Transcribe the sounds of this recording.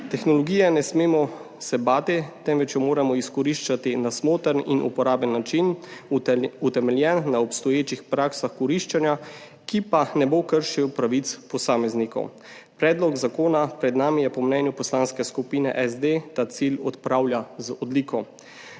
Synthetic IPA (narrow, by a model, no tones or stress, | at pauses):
t̪ɛxnɔlɔɡiːjɛnɛsmeːmɔ | sɛbaːt̪it̪ɛmʋɛt͡ʃjɔmoːɾɛmɔiskɔɾiʃt͡ʃat̪inasmoːt̪əɾnḭnʔṵpɔɾaːbənːat͡ʃin | ut̪ɛmɛljɛnːaɔpst̪ɔjeːt͡ʃixpɾaːksaxkɔɾiʃt͡ʃɛnja | kipanɛbokəɾʃiwpɾaʋit̪spɔsaːmɛznikɔ̰w | pɾɛːd̪lɔɡzakoːnapɾɛd̪naːmijɛpɔmnɛnjupɔslaːnskɛskupiːnɛ̰ʔɛzd̪et̪at̪silɔt̪pɾaːwlʲjazɔd̪liːkʰɔ